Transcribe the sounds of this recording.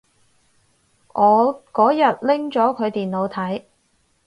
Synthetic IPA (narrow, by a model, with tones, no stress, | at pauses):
ʔɔː˨˧kɔː˨˥jɐ˨t̚lɪ˥ŋt͡ʃɔː˨˥kʰɵ˨˧ɥt̪iː˨nlo˨˧wt̪ʰɐ˨˥j